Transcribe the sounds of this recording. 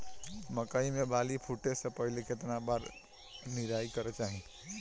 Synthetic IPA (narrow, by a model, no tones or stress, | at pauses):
məkaimebalipʰuʈesə̃pəɦileket̪nabaɾ | niɾaikəɾɛt͡ʃaɦĩ